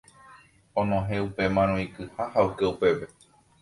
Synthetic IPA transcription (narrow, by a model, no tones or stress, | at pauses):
õnõɦeupe̞mãɾ̃õĩkɨhahaokeupe̞ʋe